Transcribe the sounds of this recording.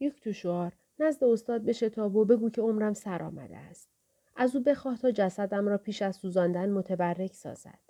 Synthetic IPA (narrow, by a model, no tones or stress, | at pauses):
jecʰt̪ʰoʃoɒːɾ | næzd̪e̞ost̪ɒːd̪̚be̞ʃe̞t̪ʰɒːbobe̞ɡuːcʰe̞o̞mɾæmsæɾʔɒ̰ːmæ̰d̪ḛæst̪ | ʔæzuːbe̞xɒːht̪ʰɒːd͡ʒæsæd̪æmɾɒːpʰiːʃæzsuːzɒːnd̪ænmo̞t̪ʰebærːe̞csɒ̰ːz̥æ̰d̪̥